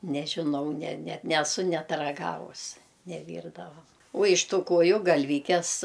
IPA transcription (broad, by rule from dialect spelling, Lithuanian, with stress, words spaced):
nʲɛʒʲɪˈnɐʊ nʲɛ nʲɛ nʲɛˈsʊ ˈnʲɛt rɐˈɡɑːʋʊs nʲɛˈʋʲiːrdɐʋɐm uɔ ɪʃ ˈtuː ˈkuɔjʊ ɡɐlʲˈʋʲiːkʲɛs